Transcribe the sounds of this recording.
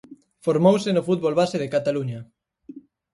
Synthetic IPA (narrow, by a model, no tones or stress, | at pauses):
foɾmowsɪnʊfut̪βolβaseðɪkat̪aluɲɐ